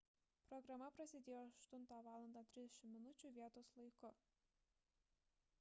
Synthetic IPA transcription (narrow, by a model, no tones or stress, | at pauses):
pɾɔɡɾɐmɐpɾɐsʲɪd̪ʲeːjoːɐʃt̪ʊnˑt̪ɑːʋɑːlˠɐnd̪ɑːt̪ʲɾʲɪzd̪ʲɛʃʲɪmːʲɪnʊt͡ʃʲuːˑʋʲiɛt̪oːslˠɐɪkʊ